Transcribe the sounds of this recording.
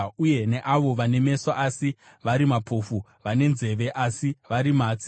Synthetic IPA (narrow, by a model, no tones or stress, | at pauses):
uje̞ne̞ʔaʋo̞ʋane̞me̞saʔasi | ʋaɾimapʰoːfu | ʋane̞nze̞ʋe̞ʔasiʋaɾimaːt͡si